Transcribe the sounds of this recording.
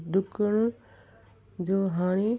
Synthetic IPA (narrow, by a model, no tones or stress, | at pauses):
d̪ʊkəɽ | d͡ʑoːɦaːɽ̃e